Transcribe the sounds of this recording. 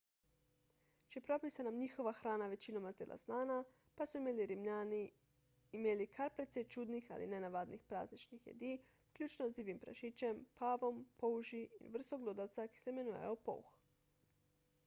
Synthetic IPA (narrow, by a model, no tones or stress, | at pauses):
t͡ʃepɾo̞pisanamɲixo̞ʋaxɾaːnaʋe̞t͡ɕinomaelʔa̰snaːna | pasuimeliɾimɲʎaːni | imelikʰaɾpet̪set͡ʃud̪nixa̰lḭnenaʋad̪nixpɾa̰ːznit͡ʃnixjḛd̪i | kʎʲuːt͡ʃnoziːʋimpɾa̰ʃit͡ɕempaːʋo̞mpouʒiḭʋr̩st̪oɡlˠud̪at̪saki̥semenuja̰jopo̰ux